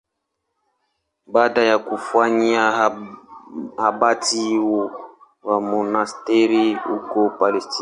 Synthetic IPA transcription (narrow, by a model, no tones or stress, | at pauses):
badajakufwaɲia | habatiwo | wamɔnastɛɾiṵkɔpalɛsti